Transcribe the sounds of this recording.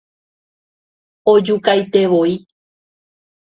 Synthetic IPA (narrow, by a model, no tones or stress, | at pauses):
od͡ʒukajt̪e̞ʋo̞i